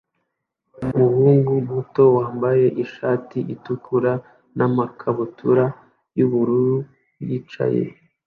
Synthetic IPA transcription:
umuhuːŋɡumuto̞waːmbaje̞ʔiʃaːtiʔitukʰuɾa | namakʰaβutʰuɾa | juβuɾuɾu | jit͡ʃa̰jḛ

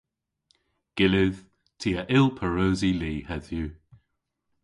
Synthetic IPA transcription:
ɡ̥ɪlɪð̥ | tʰiːəʔɪlˠpʰəɹoːziliːhɛðjʉː

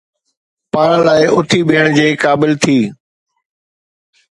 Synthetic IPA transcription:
paːɾə̃laːɪʊt̪ʰibʱiːəɽ̃d͡ʑeːkaːbɪlt̪ʰiː

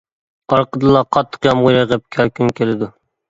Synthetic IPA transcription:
ɑɾqʰəd̪ɨlˠɑqʰɑt̪ʰːə̥qjɑmʁʊjɾɑʁɛp̚kʲʰækʲʰynkʲelɪd̪u

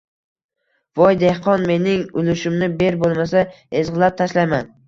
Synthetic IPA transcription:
vɒjd̪e̞hqɒnme̞nɪŋʊlɪʃɪmnɪbe̞ɾbolˠmasa | ezʁɨlap̚t̪ʰaʃlajman

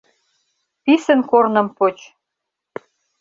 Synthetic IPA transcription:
pisə̆nkornɤ̆mpot͡ɕ

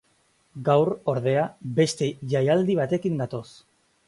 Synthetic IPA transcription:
ɡawɾo̞ɾðe̞abe̞st̪e̞ʝajald̪iβ̞at̪e̞kind̪at̪o̞s

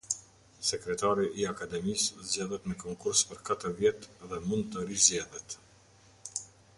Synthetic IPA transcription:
sɛkɾɛt̪aɾiʔiakad̪ɛmist̪zjaðɛt̪mɛkɔŋkuɾspəɾkat̪əvjɛt̪ðɛmunt̪ɔɾizjɛðɛt̪

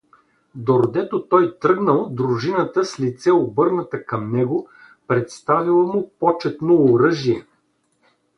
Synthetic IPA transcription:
d̪oɾd̪ɛt̪ot̪ɔjt̪ɾɤɡnəlˠd̪ɾʊʒinət̪əslʲit̪sɛobɤɾnət̪əkɐmnɛɡʊ | pɾɛt̪st̪avilˠəmʊpɔt͡ʃɛt̪noːɾɤʒiɛ

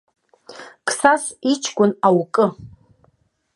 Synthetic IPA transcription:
kʰʼsasit͡ʃʰkʷʼʊnawkʼɨ

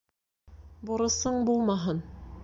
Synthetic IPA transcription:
boɾɤ̆sɤɴbulˠmɑɦɤn

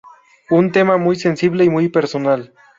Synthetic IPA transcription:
unt̪e̞mamujse̞nsiβle̞imujpeɾsonal

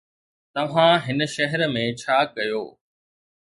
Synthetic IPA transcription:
t̪ɐʋ̤ãɦɪnə̆ʃɐɦɛɾmẽt͡ɕʰaːkɐjo̰ː

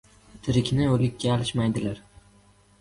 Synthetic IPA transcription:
t̪ʰɪɾɪkʲnɪolɪkʲːaːlɪʃmajd̪ɪlaɾ

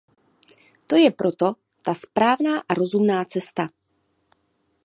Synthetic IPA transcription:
t̪o̞jɛpɾʔo̞t̪o̞ | t̪aspɾaːvnaːʔaɾo̞zumnaːt͡sɛst̪a

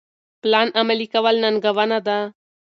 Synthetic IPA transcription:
plaːnʔɐmɐlikaʋalnanɡɐʋanad̪a

